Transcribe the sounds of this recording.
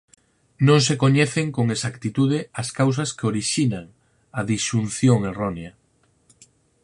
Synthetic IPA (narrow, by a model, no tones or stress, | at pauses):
nõŋsekoɲɛθeŋkoŋesakt̪it̪uðɪɐskaws̬ɐskeoɾiʃinaŋ | ɐðiʃun̟θjoŋeroneɐ